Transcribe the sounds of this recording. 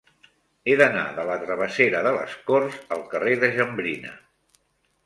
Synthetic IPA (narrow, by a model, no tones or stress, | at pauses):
eðəna̰ðələt̪ɾəβ̞əseɾəðələ̰skorzəlˠkəreðəʒəmbɾinə̰